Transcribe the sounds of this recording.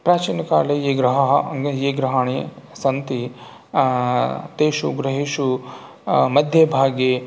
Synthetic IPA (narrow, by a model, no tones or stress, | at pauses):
pɾaːt͡ʃiːnɐkaːleeːɡɾɐɦɐɦjeːɡɾɐɦaːɳesɐnt̪i | t̪eːʃuɡɾɐɦiʃu | mɐd̪ʱjebʱaːɡe